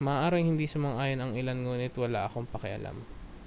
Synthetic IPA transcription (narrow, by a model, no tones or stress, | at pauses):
mɐʔaːʔaːɾɪŋhɪnd̪isɐmɐŋʔaːjonɐŋɪlanŋuːnɪt̪wɐla̰ʔɐko̞ŋpɐkɪʔɐ̰lʔa̰m